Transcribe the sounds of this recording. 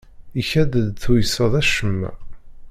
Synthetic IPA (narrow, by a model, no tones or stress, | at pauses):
içæd̪əd̪θujsəðˤæʃəmːæ̰